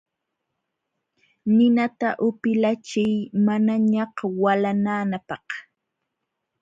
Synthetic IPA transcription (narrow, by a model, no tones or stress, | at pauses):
nɪnat̪aʔʊpɪlat͡ʃɪjmanaɲɑqwalanaːnapɑh